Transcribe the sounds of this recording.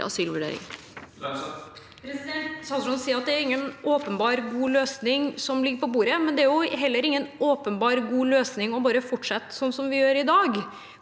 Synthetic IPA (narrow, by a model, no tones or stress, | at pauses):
ɑ̰syːlʋʉɖḛːɾɪ̰ŋ | pʰɾɛsɪd̪ɛnt̪sɑsʂɔnsiːəɾɑt̪̚d̪ɛæɾɪŋːənoːpənbɑːɾɡuːløːsnɪŋsɔmlɪɡəɾpʰɔbuːɾəmɛnd̪ɛæɾjʊɦɛlːəɾɪŋːənoːpənbɑːɾɡuːløːsnɪŋɔbɑːɾəfɔʈʂɑt̪ːsɔnːsɔmʋɪjøːɾɪd̪ɑːɡ